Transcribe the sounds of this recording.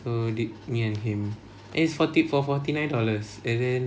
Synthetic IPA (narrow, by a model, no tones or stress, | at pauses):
sodit̚miɛ̃nhĩm | ʔɛ̰̃isfɔtitfɔfɔtinãj̃ndɔləsɛ̃ndɛ̃n